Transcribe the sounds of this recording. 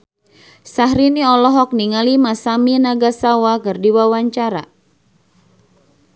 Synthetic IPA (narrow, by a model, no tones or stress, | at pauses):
saɦɾiniɔlɔɦɔk̚niŋalimasaminaɡasawakɨrdiwawaɲt͡ʃaɾa̰